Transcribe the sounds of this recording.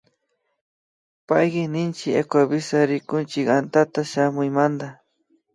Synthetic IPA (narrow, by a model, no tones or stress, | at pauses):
pajɢɪnɪnt͡ʃɪḛkʷabɪsaɾɪkʊnt͡ʃɪkant̪at̪aʃamʊjmand̪a